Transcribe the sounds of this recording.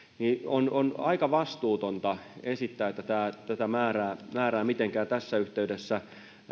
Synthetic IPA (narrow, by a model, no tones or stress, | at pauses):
niononɑikɑʋɑst̪uːt̪ont̪ɑesit̪ːæːet̪ːæt̪æːt̪æt̪æmæːræːmæːræːmit̪eŋkæːt̪æsːæyht̪eydesːæ